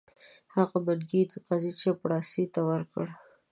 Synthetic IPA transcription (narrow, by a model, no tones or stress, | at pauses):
haɣabanɡid̪əqazit͡ʃepɽɑsit̪awəɾkəɽ